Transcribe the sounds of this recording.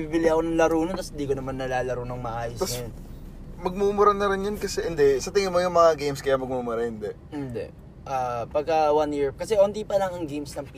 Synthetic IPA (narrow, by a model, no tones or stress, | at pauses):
biːbɪlɪɐko̞nɐŋlɐɾuːnot̪ɐshɪnd̪iːkonɐmanːɐlaːlɐɾonoŋmɐʔaːjost̪ɐsɐn | mɐɡ̚momoɾanɐɾɪnjonkɐsɛʔɪnd̪ɛsɐt̪ɪŋɪmojʊŋmɐŋaɡejmskɐjamɐɡ̚momʊɾɐhɪnd̪ɛʔɪnd̪ɛ̰ʔ | ʔaːpɐɡ̚kɐwanjiɹkɐsɛʔont̪̬ipɐlɐŋɐŋɡejmsnɐŋpː